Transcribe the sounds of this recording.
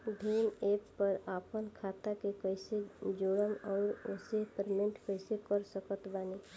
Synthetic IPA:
ɖʱeːneːpːəɾaːpənkʰaːt̪akekəɪsed͡ʒoːɽəmɔːɾʊsepəɾmẽɳʈkəɪsekəɾsəkət̪baːniː

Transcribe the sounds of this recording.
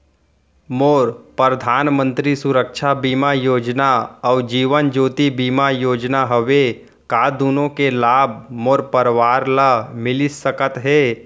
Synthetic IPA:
moːɾpəɾəd̪ʱaːnmə̃nt̪ɾisʊɾəkʃʰabiːmajoːd͡ʒnaɔːd͡ʒiːʋənd͡ʒoːt̪ibiːmajoːd͡ʒnaɦəʋe | kaːd̪uːnõkelaːb̚ʱmoːɾpəɾʋaːɾlamɪlɪsəkət̪ɦɛː

